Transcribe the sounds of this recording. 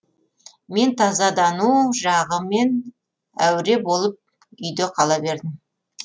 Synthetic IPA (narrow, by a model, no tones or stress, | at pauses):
me̞nt̪ʰɑzɑd̪ɑnuʒɑʁəme̞n | æwɾe̞bo̞lˠəp̚ | ʏjd̪e̞qʰɑlˠɑbe̞ɾd̪ɪm